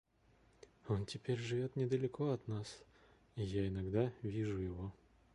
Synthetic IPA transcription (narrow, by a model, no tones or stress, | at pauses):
ontʲɪpʲeɾʲʐɨvʲo̞t̪nʲɪd̪əlʲɪko̞ɐt̪nas | ijaɪnɐɡd̪avʲiʐʊjɪvo̞